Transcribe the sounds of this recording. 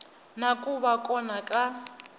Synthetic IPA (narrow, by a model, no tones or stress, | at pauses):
nakʼuβakʼɔnakʼa